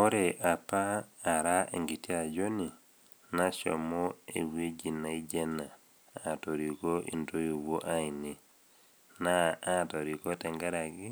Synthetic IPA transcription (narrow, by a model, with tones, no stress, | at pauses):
o˦ɾe˨ʔa˨paː˦˨ɾa˦ḛ˨ŋɡi˨ti˦a˨d͡ʒo˦ni˨ | na˦so̰˨mo˦ḛ˨wi˦d͡ʒi˨na˨i˦d͡ʒe˦na˨ | a˨to˨ɾi˨ko˦ʔḭ˨nto˦ju˨wo˦ʔa˦i˨ni˨ | na˦ato˨ɾi˨ko˦tɛ˨ŋɡa˦ɾa˨ɡi˦